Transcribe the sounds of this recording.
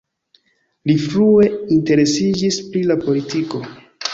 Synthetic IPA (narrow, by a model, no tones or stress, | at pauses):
lifɾue̞inte̞ɾe̞sid͡ʒispɾilapo̞litiko̞